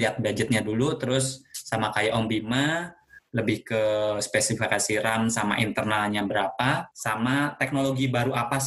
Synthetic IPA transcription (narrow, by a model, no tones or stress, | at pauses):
iat̪̚bad͡ʒɪt̪̚ɲadulut̪əɾʊsːamakajaʔɔmbimaləbɪhkəspesifikasiɾansama̰ʔint̪ərnalɲabəɾapasamat̪ɛk̚noloɡibaɾuʔapa